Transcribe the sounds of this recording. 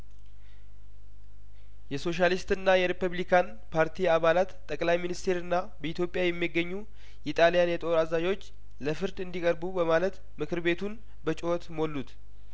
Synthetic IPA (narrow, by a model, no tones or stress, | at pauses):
jɛso̞ʃalist̪ɨnːajɛɾipuβlikʰan | pʰaɾt̪ʰiaβalat̪ʼːəkʼlajminist̪ʰe̞ɾɨnːa | bəit̪jo̞pʼːjajɛmːiɡːəɲːu | it̪ʼalijanjɛt̪ʼo̞ɾazad͡ʒo̞t͡ʃː | ləfɨɾd̪ɨnd̪ikʼəɾbubəmalət̪ | mɨkʰɨɾbe̞t̪ʰun | bət͡ʃʼɪwot̪molːut̪